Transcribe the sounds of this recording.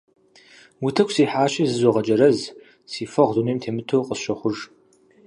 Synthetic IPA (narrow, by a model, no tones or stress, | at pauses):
wʊtʰɐkʰʷsiːħaːʃɐzɨzoʁɐt͡ʃʼɐɾɐz | siːfɐʁzuneːmtʰeːmɨtʰowqʼəsʃɐχʷʊʐ